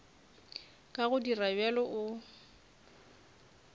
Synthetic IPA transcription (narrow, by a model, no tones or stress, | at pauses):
kʼaɣʊdirabɛlɔʔʊ